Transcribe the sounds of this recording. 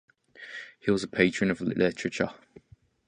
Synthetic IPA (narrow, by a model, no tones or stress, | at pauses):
hiwɒzəpʰeɪt͡ʃɹ̥ə̃nəvllɪt͡ʃɹ̥ət͡ʃə̰